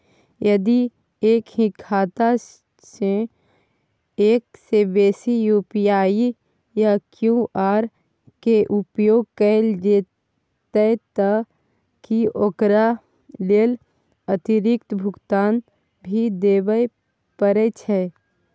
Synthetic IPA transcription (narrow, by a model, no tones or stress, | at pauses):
jəd̪i | eːkɦĩkʰːaːt̪a | se | eːksebeːsijuːpijaːi | jakjũʔaːɾ | keʔʊpjoːɡ̚kəld͡ʒeː | t̪ət̪ə | kioːkɾa | leːl | ət̪iɾɪk̚t̪bʱʊɡt̪aːn | bʱid̪eːʋəj | pəɾet͡ʃʰɛ